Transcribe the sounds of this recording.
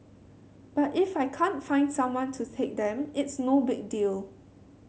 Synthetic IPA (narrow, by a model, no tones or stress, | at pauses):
b̥atifajkʰãntfãɪ̃ndsãmwɔ̃ntʰutʰek̚d̪ɛ̃mɪtsnobɪk̚dil